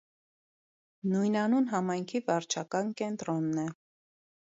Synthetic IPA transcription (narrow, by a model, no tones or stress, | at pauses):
nujnɑnunɦɑmɑjŋkʰivɑɾt͡ʃʰɑkɑnkɛnt̪ɾɔnːɛ